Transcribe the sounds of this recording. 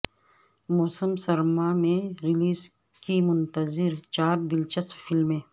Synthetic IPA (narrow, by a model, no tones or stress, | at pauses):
moːsəmsɐɾmaːmẽɾiliːs | kimʊnt̪ɐzɪɾt͡ʃaːɾd̪ɪlt͡ʃɐst̪fɪlmẽː